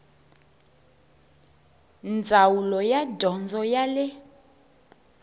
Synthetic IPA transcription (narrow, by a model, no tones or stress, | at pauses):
nd͡zʱawulɔjadʱɔnd͡zʱɔjalɛ